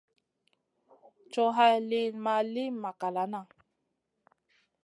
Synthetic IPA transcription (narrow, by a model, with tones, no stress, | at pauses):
t͡ʃo˦ɦa˦jli˦nma˧li˦ma˨ka˨la˨na˦˨